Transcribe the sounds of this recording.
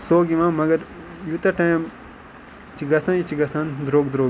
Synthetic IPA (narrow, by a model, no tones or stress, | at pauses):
soːɡiʋãːmɐɡɐɾ | jut̪ɐʈam | t͡ʃiɡɐsãːit͡ʃiɡɐsãːnd̪ɾoːɡd̪ɾoː